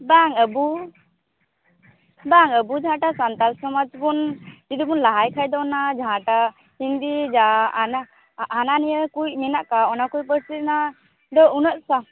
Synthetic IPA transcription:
baŋəbu | baŋəbud͡ʒaɦãʈasant̪alsɔmad͡ʒbund͡ʒid̪ubunlaɦajkʰajd̪ɔnad͡ʒaɦãʈa | hiŋd̪id͡ʒanaː | nanijəkujminaʔkaɔnakujpəɾsit̪na | d̪ɔunət̪̚sa

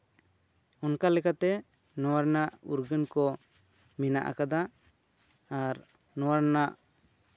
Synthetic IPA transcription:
unkalɛkat̪ɛ | nɔwaɾnaʔuɾɡənkɔ | mɛna̰ʔa̰kad̪a | aɾ | nɔwaɾnaʔ

